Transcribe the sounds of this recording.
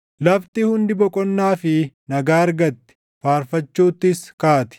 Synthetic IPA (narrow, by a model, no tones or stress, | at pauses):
lɐft̪ɪhʊnd̪ɪbɔkʼɔnːaːfɪnɐɡaːɐɾɡɐt̪ːɪ̥ | faːɾfɐt͡ʃːuːt̪ːɪskaːt̪ɪ̥